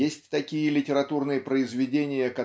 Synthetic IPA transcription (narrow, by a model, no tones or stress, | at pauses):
esʲtʲt̪ɐkʲijəlʲɪtʲɪɾɐt̪urnɨjəpɾəɪzvʲɪdʲenʲɪjəkɐ